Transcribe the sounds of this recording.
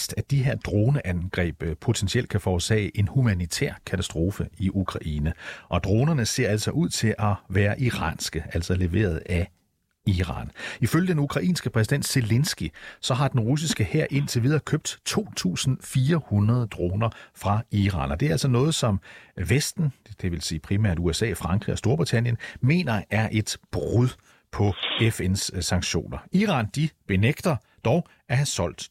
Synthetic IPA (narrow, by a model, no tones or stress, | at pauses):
sd̥æd̥iɦe̝ɐ̰d̥ʁo̝ːnəʔænɡ̥ʁɛ̰ːb̥pʰo̝t͡sʰensiel̰d̥̚kʰæfɒːsɛ̰ːɪʔe̝nhumænit͡sʰɛ̰ɐ̰kʰæt͡sʰæsd̥ʁo̝ːfəiʔukʰʁɑ̈ʔiːnəʔɒ̽d̥ʁo̝ːnɐnəse̝̰ɐ̰æl̰sɒ̽ʔuð̞̰ˠt͡sʰe̝ʔɒ̽ʋæːɐʔiʁɑ̰̈nsɡ̥əʔæl̰sɒle̝ʋe̝̰ːɐð̞ˠæ | iʁɑ̰̈ːniføljəd̥enukʰʁɑ̈ʔḭːnsɡ̥əpʰʁɛs̬iden̰d̥se̝lensɡ̥isɒ̽ɦɑ̈d̥enʁus̬isɡ̥əheɐ̰ʔe̝nt͡sʰe̝ʋið̞ˠɐkʰøb̥̚d̥t͡sʰo̝̰ːt͡sʰṵːsn̩fiːɐhunɐð̞ˠd̥ʁoːnɐfʁɑ̈iʁɑ̰̈ːnɒd̥e̝æɐæl̰sɒnɔ̽ːð̩ˠsɒ̽mʋesd̥n̩d̥e̝ʋe̝lsiːpʰʁimæ̰ɐ̰duesɛ̰ːfʁɑ̈ŋɡ̥ʁḭɒ̽sd̥o̝ɐb̥ʁit͡sʰæn̰jənme̝̰ːnɐæɐʔe̝d̥b̥ʁuðˠ | pʰɒ̽efenssɑ̈ŋ̥ɕo̝̰ːnɐiːʁɑ̈nd̥ib̥e̝neɡ̥d̥ɐ | d̥ɒʊ | æhæsɒ̽l̰d̥